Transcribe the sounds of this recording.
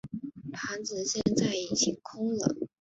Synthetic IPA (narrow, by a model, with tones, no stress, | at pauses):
p̪ʰa˧˥nt͡sɹ̩˨˧ɕjɛ˥˧nt͡sa˥˩ɪi˨˩t͡ɕʰi˧˨˩kʰʊ˥ŋlə˨˩˦